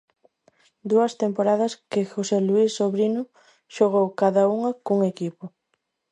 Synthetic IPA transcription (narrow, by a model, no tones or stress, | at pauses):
d̪uɐst̪empoɾaðɐskɪxoseluisːoβɾinʊ | ʃoɣ̞owkaðauŋɐkuŋekipʊ